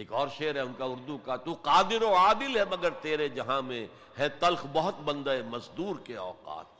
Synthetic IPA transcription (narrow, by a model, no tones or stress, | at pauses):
eːkɔːɾʃeːɾɦɛʊnkaʊɾd̪ukat̪uqaːd̪ɪɾoaːd̪ɪlɦɛmɐɡəɾt̪eːɾed͡ʒɐɦãmẽ | ɦɛ̃t̪ɐlxbɔɦʊt̪bɐ̃nd̪aemɐsd̪uːɾkeɔːqa̰ːt̪̚